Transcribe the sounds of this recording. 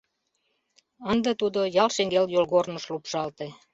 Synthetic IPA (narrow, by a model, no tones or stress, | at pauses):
ənd̪et̪ud̪ojɑlʃeŋɡeljolɣornəʃlupʃɑlt̪e